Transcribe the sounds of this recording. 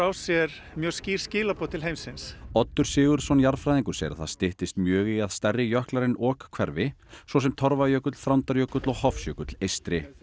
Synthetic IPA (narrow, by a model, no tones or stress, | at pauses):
awsjɛɾ | mjœːɣsciːɾ̥scɪːlapɔt̪ʰɪlɦejmsɪnsɔt̪ːʏɾ̥sɪːɣʏɾ̥sɔnjaɾfɾajðiŋkʏ̥sjɛ̰ɾaθaðst̪ɪht̪ɪst̪mjœːɣiaðst̪ɛrːɪjœhklaɾɪnɔːkkʰvɛɾvɪsvɔs̬ɛmt̪ʰɔɾvajœkʏt̪l̥fɾawnt̪aɾjœkʏt̪lɔɣhɔfsjœkʏt̪lejst̪ɾɪ